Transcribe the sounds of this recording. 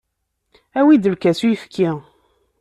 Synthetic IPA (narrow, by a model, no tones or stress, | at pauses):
æwid̪əɾkæsujəfkʰːi